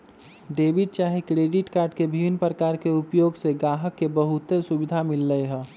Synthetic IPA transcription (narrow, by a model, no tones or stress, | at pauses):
ɖeːbiɖ̚t͡ʃaːɦikɾeːɖiʈkaːɾɖkebʱiʋinpɾəkaːɾkeupjoːɡseɡaːɦəkːebəɦut̪esubɪd̪ʱamɪlːəeɦɛ̃